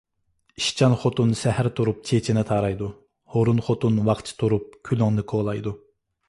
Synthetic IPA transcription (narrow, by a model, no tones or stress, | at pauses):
iʃt͡ʃʰɑnχot̪unsɛhæɾt̪ʰuɾup̚t͡ʃʰet͡ʃʰinɪt̪ʰɑːɾɑjd̪u | hoɾunχot̪unwɑχt͡ʃʰi̥t̪ʰuɾup̚kʲʰylyŋnɨkʰolˠɑjd̪u